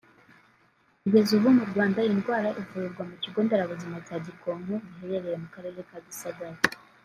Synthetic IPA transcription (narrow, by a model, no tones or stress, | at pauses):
kuɡe̞zuβumuɾɡwaːndajinɡwaːɾaʔivuɾiɾɡwamuciɡo̞ːndeɾaβuzimacaɟiko̞ːŋɡoβiɦe̞ɾe̞ɾe̞ɾemukaɾe̞ːɾe̞kaβisaɡaɾe